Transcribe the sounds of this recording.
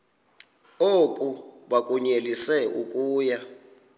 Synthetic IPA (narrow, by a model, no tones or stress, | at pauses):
okʼuɓakʼuɲelisɛukʼuːja